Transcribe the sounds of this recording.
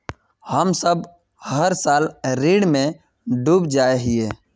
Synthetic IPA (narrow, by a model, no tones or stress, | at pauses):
həmsəb | həɾsaːlɾiːɽmẽ | ɖuːbd͡ʒaeɦie